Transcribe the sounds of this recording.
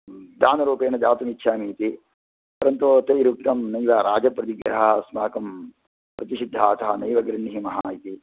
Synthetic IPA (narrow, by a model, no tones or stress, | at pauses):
d̪aːnɐɾuːpeːnɐd͡ʒ̪aːt̪umit̪ːʃʰaːmiːt̪i | pɐɾɐnt̪ut̪ɐjɾuk̚t̪ɐmnɐjʋaɾaːd͡ʒɐpɾɐt̪iɡɾɐɦɐsmaːkɐm | pɾɐt̪iʃid̪ʱːaːt̪ɐɦɐnɐjʋɐɡɾɐnːiɦimɐɦajit̪i